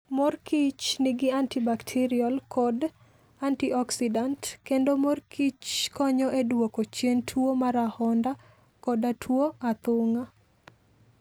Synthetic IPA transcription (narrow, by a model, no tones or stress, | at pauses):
mɔrkʰit͡ʃnɪɡɪantibaktʰiɾiɔlkʰɔd | antiɔksidantkendomɔrkʰit͡ʃkɔɲɔʔedwokot͡ʃjentʰwomaɾahɔnda | kɔdatʰwoat̪ʊŋa